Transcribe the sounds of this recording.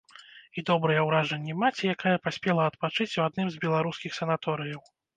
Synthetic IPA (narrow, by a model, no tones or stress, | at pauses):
id̪ɔbɾɨjɛwɾaʐɐnʲːɛmat͡sʲijakajɐpasʲpʲɛlˠɐɐt̪̚pat͡ʂɨt͡sʲuad̪̚nɨmzʲbʲɛlˠaɾuskʲixsɐnat̪ɔɾɨjɐw